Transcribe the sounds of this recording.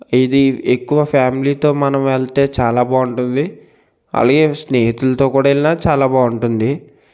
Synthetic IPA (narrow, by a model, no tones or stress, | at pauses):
id̪iekːuʋɐpʰaːmiliːt̪o̞ːmɐnɐmʋeɭt̪e̞ːt͡ʃaːlaːbaːuɳʈund̪i | ɐ̰laːɡe̞ːsneːɦit̪ulɐt̪o̞ːkuːɽaelinat͡ʃaːlaːbaːuɳʈund̪i